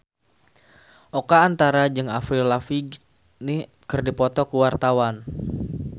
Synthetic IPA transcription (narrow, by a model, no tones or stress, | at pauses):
ʔokaːnt̪aɾad͡ʒɨŋafɾilafi | ni | kɨrdipɔt̪ɔkuwart̪awan